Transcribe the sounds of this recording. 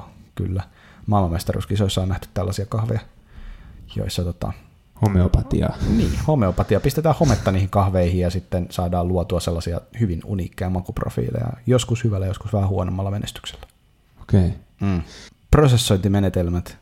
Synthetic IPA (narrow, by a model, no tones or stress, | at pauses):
ky̰lːæ | mɑlɑmest̪ɑrṵskisoisːɑːnæht̪y̥t̪t̪ælːɑsiɑkɑhʋejɑ | jo̰isːɑt̪ot̪ɑ̰ | homeopɑt̪ḭɑ̰niːhomeopɑt̪iɑpist̪et̪æːhhomet̪ːɑniːhiŋkɑhʋeihijjɑsit̪ːensɑːdɑːluɑt̪uɑselːɑsiɑhyʋinṵniːkːejɑmɑkupro̰fḭːlḛjɑ̰joskushyʋælːæjoskusʋæhæhuonomːɑlːɑmenḛst̪y̥kse̥lːæ̥ | o̥kei | m̩ː | prosesːoint̪imenet̪elmæt̪